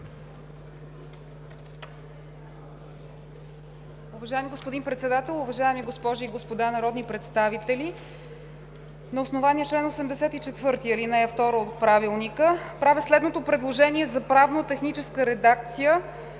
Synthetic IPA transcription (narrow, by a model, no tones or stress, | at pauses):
ʊvɐʒaɛmiɡospod̪inpɾɛt̪sɛd̪at̪ɛlˠʊvɐʒaɛmiɡospɔʒiːɡospod̪anɐɾɔd̪nipɾɛt̪st̪avit̪ɛli | nɐosnovaniət͡ʃlɛnosɛmd̪ɛsɛt̪it͡ʃɛt̪vɤɾt̪iəlinɛɛft̪ɔɾoot̪̚pɾavilˠnikəpɾavɛslɛd̪not̪opɾɛd̪lˠoʒɛniɛzɐpɾavnot̪ɛxnit͡ʃɛskəɾɛd̪ak̚t̪sijə